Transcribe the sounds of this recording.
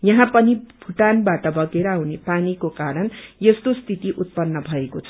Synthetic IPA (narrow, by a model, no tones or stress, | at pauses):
jʌɦãpʌnibʱuʈanbaʈʌbʌɡeɾʌɦunepanikokaɾʌnjest̪ost̪ʰit̪iʔut̪̚pʌnːʌbʱʌekot͡sʰʌ̥